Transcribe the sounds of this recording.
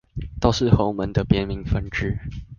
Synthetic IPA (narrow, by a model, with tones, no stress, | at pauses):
t̪o˥˧ʊʂɻ̩˥˨xo˨˧˥ʊmə˨˦nd̪ə˨pjɛ˥nmi˧˦ŋfə˦nʈ͡ʂɻ̩˥